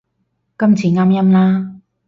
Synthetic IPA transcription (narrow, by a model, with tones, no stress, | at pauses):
kɐ˥mt͡siː˨˧ŋaː˥mjɐ˥mlaː˥